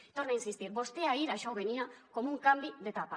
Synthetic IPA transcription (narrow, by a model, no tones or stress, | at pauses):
t̪ornejnsist̪it̪̚bo̞st̪eaiɾaʃawɣeniako̞muŋkambidet̪apa